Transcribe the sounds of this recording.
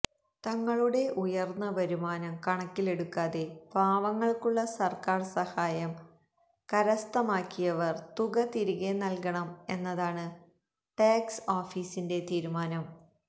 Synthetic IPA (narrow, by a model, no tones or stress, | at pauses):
t̪ɐŋːɐɭuɽe̞ʔujɐrnːɐʋɐɾumaːnɐmkɐɳɐkːile̞ɽukːaːðeb̥ʱaːʋɐŋːɐɭkuɭːɐsɐrkaːrsɐhaːjɐm | kɐɾɐst̪ɐmaːkːijɐʋɐrt̪uɣɐt̪iɾiɣenɐlkɐɳɐme̞nːɐðaːɳɨ | ʈaːksoːfiːsinde̞t̪iːɾumaːnɐm